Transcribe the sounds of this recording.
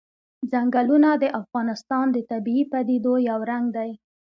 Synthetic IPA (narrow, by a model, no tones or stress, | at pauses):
d͡zaŋɡalunad̪əʔafɣɑnɪst̪ɑnd̪ət̪abiːpad̪id̪ojawɾaŋɡd̪aj